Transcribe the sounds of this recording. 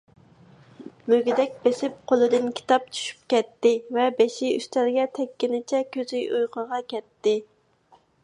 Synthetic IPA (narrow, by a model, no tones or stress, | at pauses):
møɡʲid̪ɛk̚ʲbesɪp̚qʰolˠɨd̪ɨnkʲʰi̥t̪ɑp̚t͡ʃʰy̥ʃy̥p̚kʲɛt̪ːɪvɛbeʃiy̰st̪ʰæɾɡʲɛt̪ʰɛkʲːinɪt͡ʃʰɛkʲʰøzyjujqʰəʁɑkʲɛt̪ːɪ